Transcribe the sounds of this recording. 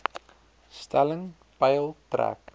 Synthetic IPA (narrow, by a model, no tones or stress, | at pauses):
stæləŋ | pɐjəlˠtræ̰k̚